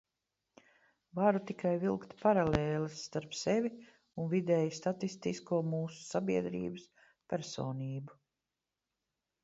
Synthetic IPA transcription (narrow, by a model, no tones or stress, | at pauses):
vaɾut̪ikʰajvilˠkt̪paɾaleːlɨsːt̪aɾpsevʲi | unvid̪ɛːjst̪at̪ist̪iskuɔmuːsu̥sabiɛd̪ɾḭːbɨs | pʲɛɾsoːniːbu